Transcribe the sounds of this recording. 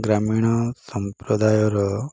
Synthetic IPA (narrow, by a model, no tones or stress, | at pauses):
ɡɾamiɽ̃ɔsɔmpɾɔd̪ajɔɾɔ